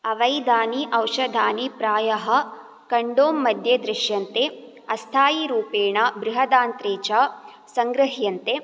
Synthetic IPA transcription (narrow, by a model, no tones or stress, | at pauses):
ɐʋɐjd̪aːniʔɐwʃɐd̪ʱaːnipɾaːjɐɦɐ̆ | kɐɳɖoːmːɐd̪ʱjɐd̪ɾɪʃjɐnt̪e | ɐst̪ʰaːjiɾuːpeːɳɐbɾɪɦɐd̪aːnt̪ɾeːt͡ʃa | sɐŋɡɾɐɦjɐnt̪e